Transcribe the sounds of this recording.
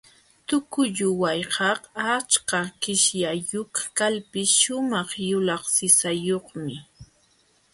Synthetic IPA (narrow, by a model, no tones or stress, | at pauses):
t̪ʊkʊʎʊwajɢɑqat͡ʃkakɪʃjajʊkḁkalpɪsʃʊmɑχjʊlɑχsɪsajoχmɪ